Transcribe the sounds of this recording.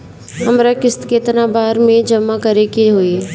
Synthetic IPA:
ɐmɾakɪst̪ket̪nabaːɾmẽd͡ʒɐmːakɐɾekeɦoːie

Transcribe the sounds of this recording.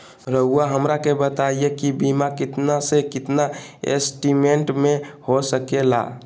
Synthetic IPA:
ɾəɦuaɦəmɾakebət̪aijekibimakit̪nasekit̪naḛsʈimeɳʈmehosəkela̰

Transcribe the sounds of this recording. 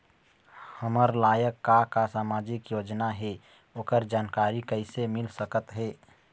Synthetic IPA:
həməɾlaːjəkːakasaːmaːd͡ʒɪkjoːd͡ʒnaɦɛ | oːkəɾd͡ʒaːnkaːɾikəɪsemɪlsəkət̪ɦɛː

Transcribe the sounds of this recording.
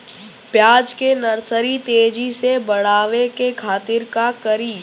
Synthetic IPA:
pjaːd͡ʒkenɐɾsəɾit̪eːd͡ʒisebɐɽaːʋekekʰaːt̪ɪɾkakɐɾiː

